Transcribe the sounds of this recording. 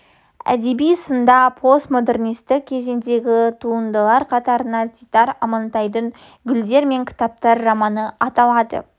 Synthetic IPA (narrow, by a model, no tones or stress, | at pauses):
æ̰d̪e̞bijsənd̪ɑpʰo̞st̪mod̪e̞rnijst̪ɪk̚kʲʰe̞ze̞nd̪e̞ɡʲɪt̪ʰuənd̪əlˠɑɾqʰɑt̪ɑɾənɑɡʲʰit̪ɑɾɑmɑnt̪ɑjd̪əŋ | ɡʲʏld̪e̞ɾme̞ŋkʲʰɪ̥t̪ɑp̚t̪ɑɾːɑmɑnəɑt̪ɑlˠɑd̪ə̰